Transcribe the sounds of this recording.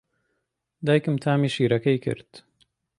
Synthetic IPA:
d̪aːjkɨmt̪ʰaːmiːʃiːɾɐkɐjkʰɨ̰ɾt̪

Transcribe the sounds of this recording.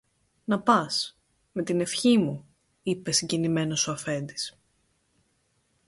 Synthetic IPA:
nɐpɐs | me̞t̪ine̞fçimu | ipe̞siɲɟinime̞no̞soɐfe̞nd̪is

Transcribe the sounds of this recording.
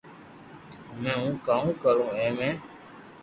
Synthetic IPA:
mɛ̃ːũːkaːũːkəɾũːɛ̃ːmẽː

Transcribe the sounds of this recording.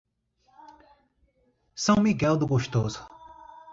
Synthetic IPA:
sɐ̃w̃miɡɛld̪ʊɡoʃt̪ozʊ̥

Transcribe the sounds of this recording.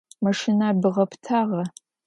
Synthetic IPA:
mɐʂɪnabɨʁɐpʰtʰaːʁɐ

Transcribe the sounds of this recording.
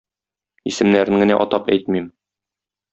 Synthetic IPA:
isɘ̆mnæɾɘ̆ŋɡɘ̆næ̰ʔɒt̪ɑpæ̰jt̪mim

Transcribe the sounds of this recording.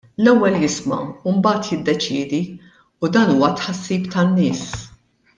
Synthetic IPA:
lɛwːɛljɪsmɐ̰umbɐːt̪jɪd̪ːɛt͡ʃɪːd̪i | ud̪ɐːnuːwɐt̪ħɐsːiːpt̪ɐnːɪːs

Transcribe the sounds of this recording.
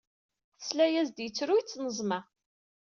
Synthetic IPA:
θə̥slæjæzd̪jət͡sːɾuit͡sːnəzˤmæ

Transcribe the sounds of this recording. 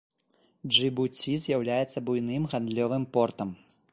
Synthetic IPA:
ʐɨbut͡sʲizʲjawlʲajɛt̪sːɐbujnɨmɣand̪lʲɔvɨmpɔrt̪ɐm

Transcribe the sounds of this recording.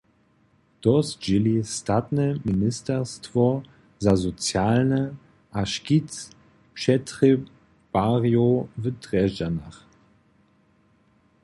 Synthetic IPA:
d̥ɔsd͡ʒɪlistatnəminɪstɛstv̥ɔ | zazot͡sjaːlnə | ʔaʃkit͡s | pʃɛtʁi | b̥aʁjovətʁɛd͡ʒanaχ

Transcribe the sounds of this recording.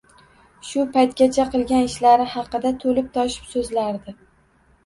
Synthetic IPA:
ʃʊpajt̪̚ɡʲat͡ʃʰaqɨlˠɡʲanɪʃlaɾɪhɑqɨd̪at̪ʰolɪp̚t̪ʰɒʃɪ̥psɵzlaɾd̪ɪ

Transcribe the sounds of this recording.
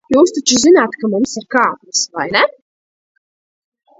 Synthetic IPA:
juːst̪at͡ʃuzinaːt̪kamũmsiɾkaːp̪sva̰jnɛ

